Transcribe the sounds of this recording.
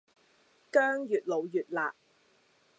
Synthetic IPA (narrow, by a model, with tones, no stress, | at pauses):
kœː˥ŋjyː˨˩t̚lo˨˧wjyː˨t̚laː˨ʔ̚